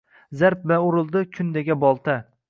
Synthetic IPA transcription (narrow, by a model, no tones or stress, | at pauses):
zaɾp̚baʊɾɪlˠd̪ɪkʲʰʊnd̪eɡʲabɒlˠt̪ʰa